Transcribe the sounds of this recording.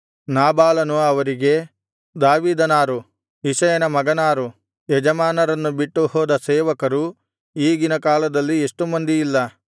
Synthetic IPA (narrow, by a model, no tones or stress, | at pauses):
naːbaːlɐnuɐʋɐɾiɡe̞ | d̪aːʋiːd̪ɐnaːɾu | iʃɐjɐnɐmɐɡɐnaːɾu | ɛd͡ʒɐmaːnɐɾɐnːubiʈːuhɔːd̪ɐsɛːʋɐkɐɾu | iːɡinɐkaːlɐd̪ɐlːieʂʈumɐnd̪ijilːɐ